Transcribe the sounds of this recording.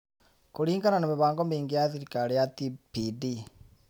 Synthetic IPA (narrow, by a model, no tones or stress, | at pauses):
kuɽiːŋɡananomeβaːŋɡomiːŋɡijaːðiɾikaɾijat̪ipidi